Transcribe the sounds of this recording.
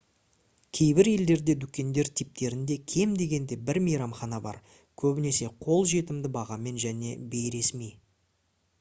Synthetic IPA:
kʲʰe̞jbɪɾe̞ld̪e̞ɾd̪e̞d̪ukʲe̞nd̪e̞ɾt̪ʰijp̚t̪e̞ɾɪnd̪e̞kʲʰe̞md̪e̞ɡʲe̞nd̪e̞bɪɾmijɾɑmχɑnɑbɑ̰ɾ | kʲʰɵbɪne̞se̞qʰo̞lˠʒe̞t̪ɪmd̪ɪbɑʁɑme̞nʒæne̞be̞jɾe̞smej

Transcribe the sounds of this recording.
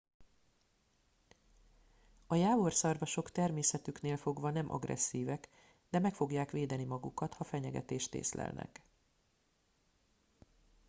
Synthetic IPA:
ɒjaːvo̞rsɒrvɒʃo̞kt̪ɛrmeːsɛt̪ykneːlfo̞ɡvɒnɛmʔɒ̰ɡrʔɛ̰sːiːvɛk | d̪ɛmɛkfo̞ɡjaːkʋeːd̪ɛnimɒɡukɒt̪hɒfɛɲɛɡɛ̰t̪eːʃt̪ḛːslɛ̰lnɛ̰k

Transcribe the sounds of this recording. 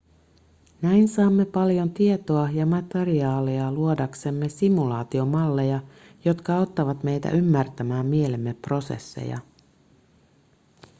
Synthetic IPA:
næijnsɑːmːe̞pɑljo̞nt̪ie̞t̪oɑjɑmɑt̪eriɑːliɑluo̞dɑkse̞mːe̞simulɑːt̪io̞mɑlːe̞jɑ | jo̞t̪kɑo̞t̪ːɑʋɑt̪me̞jt̪æ̰ʔymːært̪æmæːmːie̞le̞mːe̞pro̞se̞̰sːḛjɑ̰

